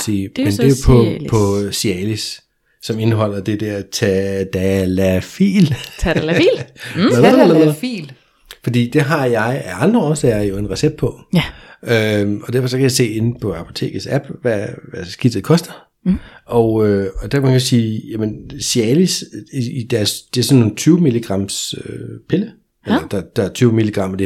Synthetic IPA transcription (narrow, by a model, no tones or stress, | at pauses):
siːmend̥epʰɒpʰɒ̽siɛlisː | ɒ̽me̝nɦɒ̽l̰ɐd̥e̝d̥ɛɐ̰t͡sʰæd̥ælæfḭːl | lɐlɐfḭl | fɒ̽d̥ḭːd̥e̝ɦɑ̈jɑ̈ɪæɑ̈nd̥ʁɐɒsɛɐjo̝e̝nʁɛseb̥̚pʰɒ̽ | øɒ̽d̥æɐfɒ̽sɒ̽kʰæjɑ̈se̝̰ːe̝n̩pʰɒ̽ɑpʰo̝t͡sʰe̝̰ːɡ̥əsæb̥ʋæʋæsɡ̥id̥ð̩ˠkʰɒ̽sd̥ɐ | ɒ̽ʊøɒ̽d̥æɐmænkʰsiːjæmensjɛːlisiid̥æɐsd̥e̝æɐsɒ̽nːoːn̩t͡sʰyːʊmiliɡ̥ʁɑ̈m̰søpʰe̝lə | ellɐd̥ɑd̥ɑæɐt͡sʰyːʊmiliɡ̥ʁɑ̈m̰æd̥e̝